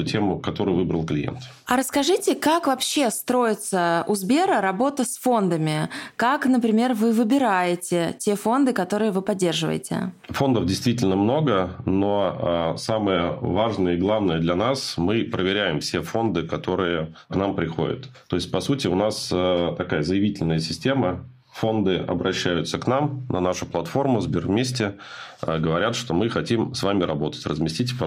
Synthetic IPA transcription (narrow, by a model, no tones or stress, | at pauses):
tʲemʊkɐt̪o̞ɾʊjvɨbɾə̰lˠklʲɪ̰jḛnt̪ | ɐɾəskɐʐɨtʲɪkakvɐpɕːe̞st̪ɾo̞jɪt̪səʊzbʲe̞ɾəɾɐbo̞t̪əsfo̞nd̪əmʲɪkaknəpɾʲɪmʲe̞rvɨvɨbʲɪɾajɪtʲɪtʲe̞fo̞nd̪ɨkɐt̪o̞ɾɨjəvɨpɐdʲːe̞rʐɨvə̰jɪ̰tʲɪ̰fo̞nd̪əfdʲɪjst̪vʲitʲɪlʲnəmno̞ɡəno̞asaməjəvaʐnəjəɪɡlˠavnəjəd̪lʲɐnasmɨpɾəvʲɪɾʲæjɪmfsʲe̞fo̞nd̪ɨkɐt̪o̞ɾɨjəknampɾʲɪxo̞̰dʲɪ̰t̪t̪ːo̞ɪsʲt̚ʲpɐsutʲɪʊnast̪ɐkajəzəjɪvʲitʲɪlʲnəjəsʲɪsʲtʲe̞mə | fo̞nd̪ɨʔɐ̰bɾʔɐɕːæjʊt̪səknamnʔɐ̰naʂʊplˠɐt̪fo̞rmʊzbʲɪrvmʲesʲtʲɪ | əɡəvɐɾʲat̪ʂt̪o̞mɨxɐtʲimsvamʲɪɾɐbo̞t̪ə̥tʲrəzmʲɪsʲtʲitʲɪp